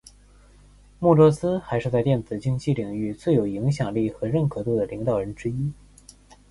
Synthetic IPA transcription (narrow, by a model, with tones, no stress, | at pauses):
mu˥˩ʈ͡ʂwɔ˥sɹ̩˥xa˧˥ɪʂɻ̩˥˧t͡sa˥˧ɪt̪jɛ˥˩nt͡sɹ̩˨˩t͡ɕi˥ŋt͡ɕi˥˩li˨˩ŋy˥˧t͡swe˥˩ɪjo˨˧˩ʊi˧˥ŋɕjɑ˨˩ŋli˥˩xɤ˧˥ɻə˥˩nkʰɤ˧˥t̪u˥˩d̪ə˩li˧˥ŋt̪ɑ˨˩ʊɻə˧˥nʈ͡ʂɻ̩˥i˥